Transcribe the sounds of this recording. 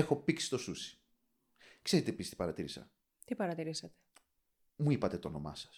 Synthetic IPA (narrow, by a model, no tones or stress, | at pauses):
exo̞piksi̥t̪o̞susi̥ | kse̞ɾet̪iepist̪i̥pɐɾɐt̪iɾisɐ̰ | t̪ipɐɾɐt̪iɾisɐt̪e̥ | muipɐt̪e̞t̪oo̰no̞̰mɐ̰sɐ̥s